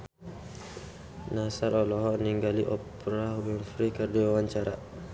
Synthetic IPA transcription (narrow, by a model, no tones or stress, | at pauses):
nasaɾɔlɔɦɔniŋɡaliʔɔp | ɾaɦbɛnfɾikərdiwawaɲt͡ʃaɾa